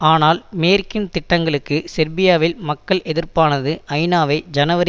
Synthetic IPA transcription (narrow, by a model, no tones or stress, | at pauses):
aːnaːlmeːɾkːɪnt̪ɪʈːɐŋɡɐɭɯkːɯsɛɾbɪjaːʋɪlmɐkːɐɭʔɛðɪrpaːnɐðɯʔɐɪnaːʋɐɪd͡ʒɐnɐʋɐɾ